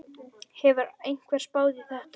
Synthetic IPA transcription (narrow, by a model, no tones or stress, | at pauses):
hɛvʏɾejn̥kʰvɛːɾ̥spaːwðɪθɛht̪